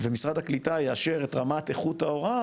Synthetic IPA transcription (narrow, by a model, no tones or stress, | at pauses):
vemisʁad̪haklit̪ajeaʃe̞ʁet̪ʁamat̪eχut̪hao̞ʁa